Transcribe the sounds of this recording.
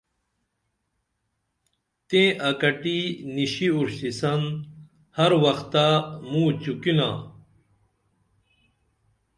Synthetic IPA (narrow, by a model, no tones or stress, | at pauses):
t̪ẽːʔɐkɐʈiniɕiuɾɕisɐn | hɐɾwɐxt̪amũːt͡ɕukinã̰ː